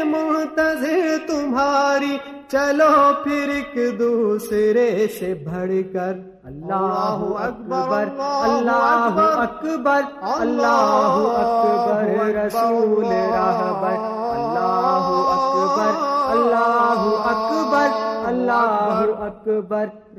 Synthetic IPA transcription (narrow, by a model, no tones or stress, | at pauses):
mʊ̃nt̪ɐzɪɾt̪ʊmɦaːɾi | t͡ʃɐlopʰɪɾɪkd̪usɾesebʱɐɽkɐɾ | ɐlːaːɦuɐkbəɾɐlːaːɦɐkbəɾɐlːaːɦɦuɐkbəɾɾɐsuːleɾaɦbəɾ | ɐlːaːɦuɐkbəɾɐlːaːɦuɐkbəɾɐlːaːɦuɐkbəɾ